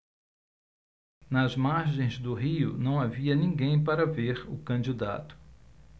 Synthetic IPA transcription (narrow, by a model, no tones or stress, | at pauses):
nɐzmaɾʒẽj̃zd̪ʊɦiʊnɐ̃w̃aviɐnĩɡẽj̃paɾɐveɾʊkɐ̃d͡ʒid̪a̰t̪ʊ̥